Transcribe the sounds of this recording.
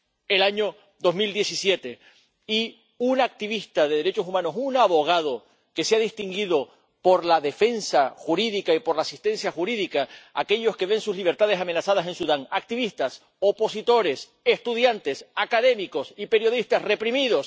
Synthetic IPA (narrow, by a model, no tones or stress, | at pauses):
elaɲo | d̪o̞zmild̪jesisje̞t̪e̞ | i | unak̚t̪iβist̪aðe̞ðe̞ɾe̞t͡ʃo̞sumãno̞sunaβo̞ɣ̞að̞o̞ | ke̞seaðist̪iŋɡiðo̞ | po̞ɾlaðe̞fe̞nsaxuɾiðikaipo̞ɾlaːsist̪ẽ̞nsjaxuɾiðikaa̰ke̞ʎo̞ske̞βe̞nsuzliβ̞e̞ɾt̪aðe̞samenasað̞asẽ̞nsuðaŋak̚t̪iβist̪as | o̞po̞sit̪o̞ɾe̞s | est̪uðjant̪e̞sakaðe̞miko̞sipe̞ɾjo̞ðist̪asre̞pɾimiðo̞s